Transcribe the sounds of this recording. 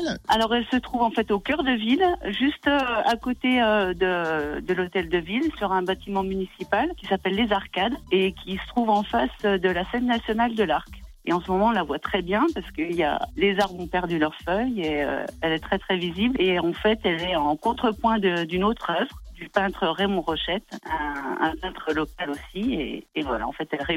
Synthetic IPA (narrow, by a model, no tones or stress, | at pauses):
alɔʁɛlsət̪χuvɑ̃fɛt̪okʲœʁd̪əvilʒyst̪øakot̪eød̪əd̪əlot̪ɛld̪əvilsyʁɛ̃bat̪imɑ̃mynisipalkʲi̥sapɛlːezaʁkad̪ekʲʰisə̥t̪χuvɑ̃fasød̪əlasɛnːasjɔnald̪əlaʁk | ḛɑ̃səmɔmɑ̃lavwat̪χɛbjɛ̃paʁsə̥kəilja̰lezaʁbɔ̃pɛʁd̪ylœʁfœjeø̰ɛlɛt̪χɛt̪χɛvizibleɑ̃fɛt̪ɛlɛɑ̃kɔ̃t̪χəpwɛ̃d̪əd̪ynot̪χœvʁd̪ypɛ̃t̪χəʁemɔ̃ʁɔʃɛt̪ɛ̃ɛ̰̃pɛ̃t̪χəlɔkalosiḛːvwala̰ɑ̰̃fɛt̪ɛlʁe